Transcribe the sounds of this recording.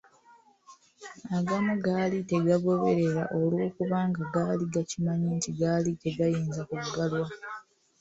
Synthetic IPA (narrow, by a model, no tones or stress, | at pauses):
aɡanoɡaːlite̞ɡaɡo̞βe̞ɾe̞ɾaʔo̞lwoːkuβaːŋɡaɡaːliɡacimaɲintiɡaːlite̞ɡajiːnzakuɡːalwa